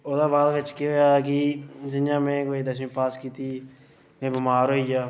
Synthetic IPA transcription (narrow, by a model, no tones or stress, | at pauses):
oːd̪aːbaːlkɪt͡ʃkeoːjaːkid͡ʒɪnjãːmẽːkoːiːd̪əsmĩːpaːskiːt̪iː | kẽːbɪmaːɾɦoːijaː